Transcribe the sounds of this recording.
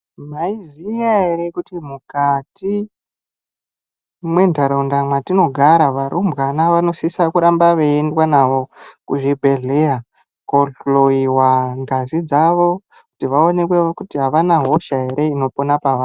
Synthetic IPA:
maizijaɦe̞ɾe̞kutimukati | mwe̞ndʱaɾaundamwatino̞ɡʱaɾaʋaɾʔumbɣanaʋano̞sisakuɾambaʋeendwanaʋo̞kuʐibʱeɮea | koɬoiwaŋɡazid͡zaʋo̞ | ku̥tiʋao̞ne̞kweʋokutiɦaʋanaɦo̞ʃaɦe̞ɾe̞ino̞ponapaʋaːn

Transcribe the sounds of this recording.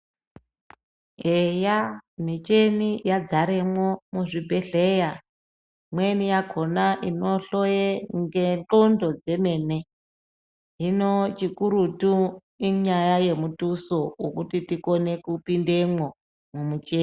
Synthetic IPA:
ɦejamit͡ʃenijad͡zaɾemwomuʐibʱe̞ɮe̞ja | mwenijakʰo̞naʔinoɬojeŋɡent͡ɬondo̞d͡ze̞me̞ːne̞ | ɦinot͡ʃikuɾutu | iɲajaje̞mutusookutitikone̞kupinde̞mwo | mumut͡ʃeː

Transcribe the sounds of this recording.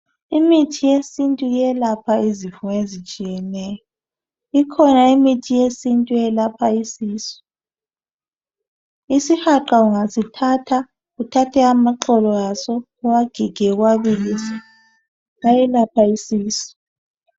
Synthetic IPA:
imitʰijesintʼujɛlapʰaizifuŋezit͡ʃʼijɛnɛːjɔ | ikʰɔnaimitʰijesintʼujɛlapʰaisiːsɔ̥ | isihaǃauŋasitʰatʰa | ɣutʰatʰɛamaǃɔlɔjasɔ | waɡ̥ʱiɡ̥ʱɛɣwaβilisḁ | ajɛlapʰaisiːsɔ̥

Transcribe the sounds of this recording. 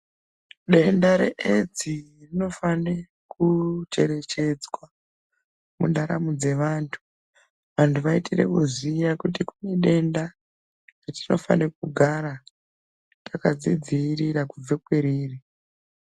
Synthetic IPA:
ɗe̞ndaɾe̞̰ʔed͡zirino̞fane | kut͡ʃe̞ɾe̞t͡ʃe̞d͡zwa | mṵndaɾa̰mud͡ze̞ʋaːntʰu̥ | ʋantʰuʋaitirḛkuzijakut̬ikuneɗe̞nda | atino̞fa̰nek̚uɡʱaɾa | takad͡zid͡zirirakub͡vekweɾiːri

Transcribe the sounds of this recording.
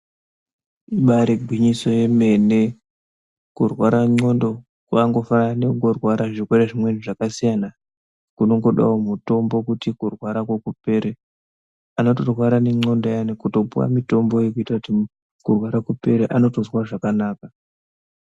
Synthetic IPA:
iɓaɾeɡʱwiɲiso̞je̞me̞ne̞ | kurwaɾaŋ͡ǀo̞ndo̞ | kwaŋɡo̞fanane̞ŋɡorwaɾaʐikwe̞ɾeʐimweniʐakasijana | kuno̞ŋɡo̞ɗa̰womuto̞mbo̞kutikurwaɾakwekupe̞ɾe | ano̞to̞rwaɾane̞ŋ͡ǀo̞ndojanekuto̞puwa̰mito̞mbo̞jekuitakuti | kurwaɾakupe̞ɾeʔano̞tozwaʐakanaːka

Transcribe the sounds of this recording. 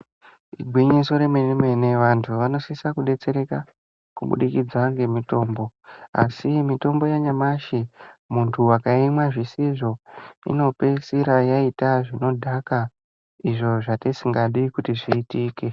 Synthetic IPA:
iɡʱwiɲiso̞ɾeminime̞ne̞ʋantʰuʋano̞sisakuɗe̞t͡se̞ɾe̞ka | kuɓṵɗikid͡zwaŋɡe̞mito̞ːmbo̞a̰simito̞mbo̞jaɲamaʃimuntʰuwakaimwaʐisiʐo̞ḭno̞pesiɾajaitaʐino̞dʱaka | iʐo̞ʐatisiŋɡaɗikutiʐiːtiːke

